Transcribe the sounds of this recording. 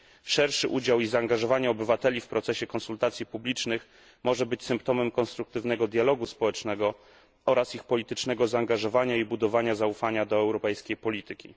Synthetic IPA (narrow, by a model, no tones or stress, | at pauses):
ʂɛɾʂɘʔud͡ʑawizaːŋɡaʐɔvaɲɛɔbɘvat̪ɛlʲifpɾɔt̪sɛɕɛkɔnsult̪at̪sʲjipublʲit͡ʂnɘx | mɔʐɛbɘt͡ɕsɘmp̚t̪ɔmɛmkɔnst̪ɾuk̚t̪ɘvnɛɡɔd̪jalɔɡuspɔwɛt͡ʂnɛɡɔ | ɔɾasixpɔlʲit̪ɘt͡ʂnɛɡɔzaːŋɡaʐɔvaɲaibud̪ɔvaɲazaufaɲad̪ɔɛwɾɔpɛjskʲejpɔlʲit̪ɘkʲḭ